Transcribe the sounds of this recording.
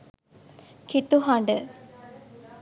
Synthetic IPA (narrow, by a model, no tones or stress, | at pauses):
kʰit̪uɦaɳɖə